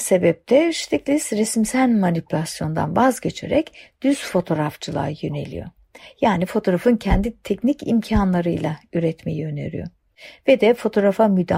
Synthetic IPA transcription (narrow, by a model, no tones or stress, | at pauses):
se̞bɛp̚t̪ʰɛʃt̪ʰiclʲisɾɛsmsælʲmanipylʲasjo̞nd̪a̰nvazɟe̞t͡ʃʰḛɾɛ̰cd̪̥yz̥fo̞t̪ʰo̞ɾaft͡ʃʰɯlˠa̰ːjø̞ne̞̰lʲḭjo̰ | jaːnifo̞t̪ʰo̞ɾafɯncʰɛnd̪it̪ʰɛcnicḭmcʰanlˠaɾɯjlˠayɾɛt̪me̞jiø̞nḛɾy̰jo̰ | vɛd̪ɛfo̞t̪ʰo̞ɾafamyd̪a